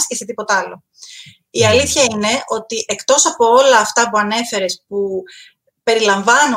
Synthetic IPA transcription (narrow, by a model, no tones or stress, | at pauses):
sceset̪ipo̞t̪ɐlo̞̰ | iɐliθçɐine̞o̞t̪iʔe̞kt̪o̞sɐpo̞o̞lɐːft̪ɐpuɐne̞fe̞ɾe̞spu | pe̞ɾilɐɱvɐnu